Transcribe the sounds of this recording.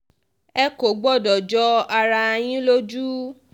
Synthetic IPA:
ɛ˦ko˨ɡ͡bɔ˦˨dɔ˨d͡ʒɔ˧˦a˧ɾa˧j̃ĩ˦lo˦d͡ʒu˦

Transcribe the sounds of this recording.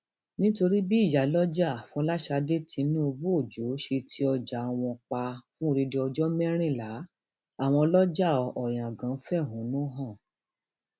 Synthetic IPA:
nĩ˦to˧ɾi˦bi˦i˦˨ja˨˦lɔ˦d͡ʒa˦˨fũ˧ɔ˦la˦ʃa˧de˦tĩ˧˦nĩ˦o˧bu˦o˦˨d͡ʒo˨˦ʃe˧tʰi˦ɔ˧d͡ʒa˨w̃ɔ̃˧k͡pa˧fũ˦˧ɾi˧de˧ɔ˧d͡ʒɔ˦mɛ˦ɾ̃ĩ˦˨la˨˦ | a˦˨w̃ɔ̃˧lɔ˦d͡ʒa˦˨ɔ˨ɔ˨j̃ã˨ɡã˨˦fɛ˦˨ɦũ˨˦nũ˦ɦã˦˨

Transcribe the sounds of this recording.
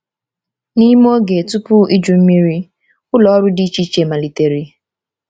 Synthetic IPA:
ni˦m˦o˦ɡe˨tu˦pʊ˦i˦d͡ʒu˨m̩˦mi˦ɾi˦ | ʊ˦lɔ˨˦ɾʊ˦dɪ˦t͡ʃi˦t͡ʃe˨ma˨li˨te˨ɾi˦

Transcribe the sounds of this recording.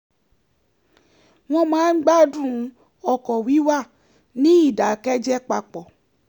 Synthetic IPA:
w̃ɔ̃˧mãː˨˦n̩˦ɡ͡ba˦dũ˦˨˧ | ɔ˧kɔ˨wi˨˦wa˦˨ | nĩ˦i˦˨da˨kɛ˦d͡ʒɛ˦k͡pa˧k͡pɔ˨

